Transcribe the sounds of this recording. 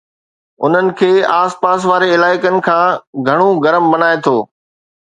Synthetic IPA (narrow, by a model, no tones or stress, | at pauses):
ʊ̰n̤ənɪ̆kʰeːaːspaːs̬ʋaːɾeɪlaːɪkənɪ̆kʰãːɡʱɐɽ̃oɡɐɾəmbɐnaːet̪ʰoː